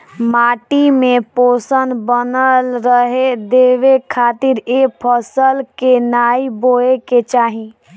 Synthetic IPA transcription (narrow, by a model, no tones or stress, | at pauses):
maːʈimẽpoːsənbənəlɾəɦed̪eːʋekʰaːt̪ɪɾeːpʰəsəlkenaːiboeket͡ʃaːɦĩ